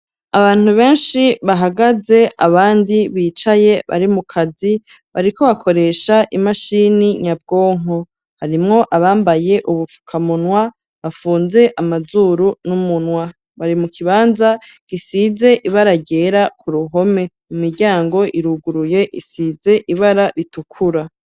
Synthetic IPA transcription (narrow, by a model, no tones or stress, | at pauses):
aβaːn̥uβe̞ːnʃiβaɦaɡaze̞ʔa̰βaːndiβiːt͡ʃaje̞βa̰ɾimukʰazi | βaɾiko̞βakʰo̞ɾe̞ʃaʔimaʃiːniɲab̚ɡo̞ːŋo | haɾimŋo̞ʔaβaːmbaje̞ʔuβufu̥kʰamunwa | βafuːnze̞ʔamazuːɾunumunwa | βaɾimukʰiβaːnza | ɡ̥isiːze̞ʔiβaɾaɟe̞ːɾakʰuɾuɦo̞me̞ | mumiɾɟaːŋɡo̞ʔiɾuɡuɾuje̞ʔisiːze̞ʔiβaɾaɾitukʰuɾa